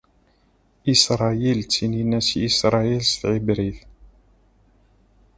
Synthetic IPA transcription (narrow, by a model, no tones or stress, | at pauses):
isɾˤɑilt͡sːininæsisɾˤɑilst̪ʕibɾiθ